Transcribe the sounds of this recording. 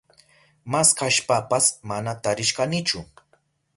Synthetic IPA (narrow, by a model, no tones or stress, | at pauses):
maskaʃpapasmanat̪aɾɪʃkanɪt͡ʃʊ